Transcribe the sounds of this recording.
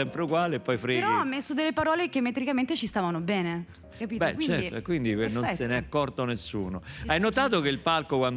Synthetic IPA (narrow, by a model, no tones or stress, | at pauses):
ɛmpɾeuɡwaːleːpːɔjfɾiɾɔamːesːod̪elːepaɾɔːlekemːet̪ɾikament̪et͡ʃist̪aːvanobɛːne | kapiːbɛ̰kwit͡ʃːɛtikwind̪ikenːonsenɛakːɔrt̪onesːṵːnoajnot̪aːt̪ok̟eilpalkokwand̪